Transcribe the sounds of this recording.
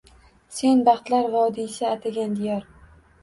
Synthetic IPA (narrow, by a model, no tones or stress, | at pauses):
se̞nbɑχt̪laɾvɒd̪isaːt̪ʰaɡʲand̪ejɒɾ